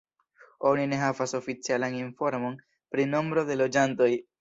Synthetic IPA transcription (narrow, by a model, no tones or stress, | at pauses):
o̞nine̞ɦavaso̞fit͡sialaninfo̞ɾmo̞n | pɾino̞mbɾo̞de̞lo̞d͡ʒanto̞j